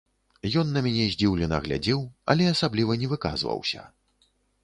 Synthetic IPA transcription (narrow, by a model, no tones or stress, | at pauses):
jɔnːɐmʲanʲɛzʲd͡zʲiwlʲɛnɐ̰ɣlʲa̰d͡zʲiwɐ̰lʲɛasablʲivɐnʲɛvɨka̰zvɐ̰wsʲɐ̰